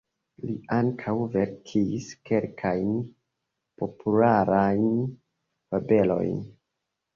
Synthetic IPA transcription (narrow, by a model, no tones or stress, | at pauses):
liaŋkʰawve̞ɾkʰiske̞lkʰajn | po̞pʰulaɾajn | vabe̞lo̞̰jn